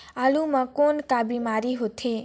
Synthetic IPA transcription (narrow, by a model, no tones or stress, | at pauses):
alumãkonkabimaɾiɦot̪ʰe